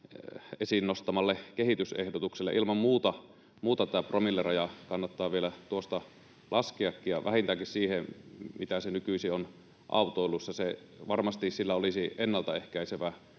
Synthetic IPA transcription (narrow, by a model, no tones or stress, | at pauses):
esinːost̪ɑmɑlːekehit̪ysehdot̪ukselːḛʔilmɑmmuːt̪ɑ | muːt̪ɑt̪æpromilːerɑjɑkɑnːɑt̪ːɑːʋielæt̪uost̪ɑ | lʔɑskiɑkːijjɑ̰ʋʔæhint̪ækissiːhemit̪æsenykysion | ʔɑ̰ˑut̪oˑilːusːɑse | ʋɑrmɑst̪issilːæolisienːɑlt̪ɑehkæiseʋæ